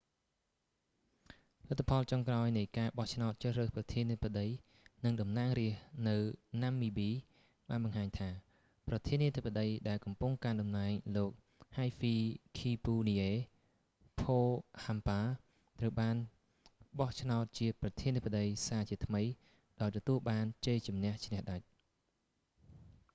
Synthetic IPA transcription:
lɨt̪ʰːapʰɑlt͡ɕoŋkraɔjnɨjkaːɓɑht͡ɕʰnaɔt̪̚t͡ɕəhrəːhprɑt̪ʰiəniəə̆pəɗəj | nɨŋɗɑmnaːŋriəhnɨwnamːiːɓiː | ɓaːnɓɑŋhaːɲt̪ʰaː | prɑt̪ʰiəniət̪ʰəpːəɗəjɗaɛlkɑmpuŋkanɗɑmnaɛŋloːk̚ | hajfiːkʰiːpuːniʔeː | pʰoːhampaː | t̪rəwɓaːn | ɓɑht͡ɕʰnaɔt̪̚t͡ɕiəprɑt̪ʰiət̪ʰəpəɗəjsaːt͡ɕiət̪ʰməj | ɗaɔjt̪ɔt̪uəlɓaːnt͡ɕəːt͡ɕumnɛ̆əht͡ɕʰnɛ̆hɗac̚

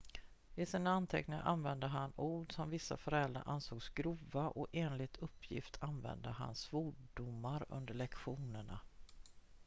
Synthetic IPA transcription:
ɪsiːnaant̪ʰɛknɪŋaʔanvɛnd̪əɦanuːɖsɔmvɪsːa̰fœɾɛld̪ɾa̰ʔansoːɡsɡɾuːvaʔɔeːnlɪt̪ʰɵpʰːjɪ̰ft̪ʰanvɛ̰nd̪əɦa̰nsvuːɖʊmːaɾɵ̰nd̪əɭɛkɧuːnəɳa̰

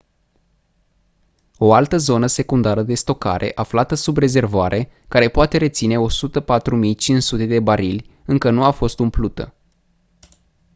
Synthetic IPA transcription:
o̞alt̪əzo̞nəse̞kund̪aɾəd̪e̞st̪o̞ka̰ɾʔe̞̰ʔaflat̪əsubre̞ze̞rvoaɾʔe̞kaɾe̞poat̪e̞ɾe̞t̪sine̞o̞sut̪əpat̪ɾumijt͡ʃinsut̪e̞d̪e̞baɾilʲɨŋkənuafo̞st̪umplut̪ə̰

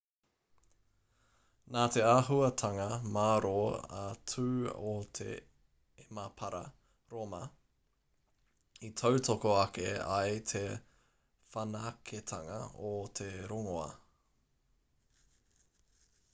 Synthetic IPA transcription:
naːt̪e̞aɦuɐt̪ʰɐŋɐmaːɾoːa̰tʰʉːot̪ʰḛ | emɐpʰɐɾɐ | ɾomɐ | itʰowtʰokoɐkeɐ̰jt̪ʰe̞ | fɐnɐːkʰet̪ʰɐŋɐ̰ot̪ʰeɾoŋoɐ̰

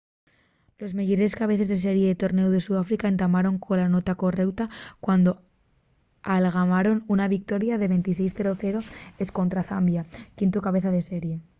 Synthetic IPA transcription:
lo̞zmeʝoɾeeskaβ̞e̞θe̞zðes̬e̞ɾje̞ðet̪o̞ɾne̞uðe̞suðafɾikae̞nt̪amaɾo̞ŋkʰo̞lano̞t̪ako̞re̞wt̪akwand̪o̞ | alɣ̞amaɾo̞nunaβik̚t̪o̞ɾjaðe̞βe̞nt̪ise̞jsθe̞ɾo̞θe̞ɾo̞e̞sko̞nt̪ɾaθambjakint̪ukaβe̞θað̞ese̞ɾje̞

